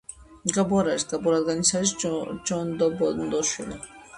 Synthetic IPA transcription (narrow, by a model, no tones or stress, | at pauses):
ɡabuaɾaɾsɡ̪abɔɾad̪ɡanisaɾisd͡ʒɔnd̪ɔbɔnd̪ɔʃwili